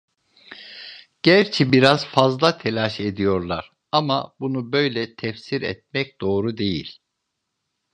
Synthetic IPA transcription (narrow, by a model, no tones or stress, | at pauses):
ɟ̥æɾt͡ʃʰibiɾaz̥fazlˠat̪ʰelʲaʃe̞d̪ijo̞ɾlˠaɾ̥ | amabunubø̞jlʲɛt̪ʰɛfsiɾɛ̰t̪̚mɛc̚d̪̥o̞ːɾud̪e̞jḭlʲ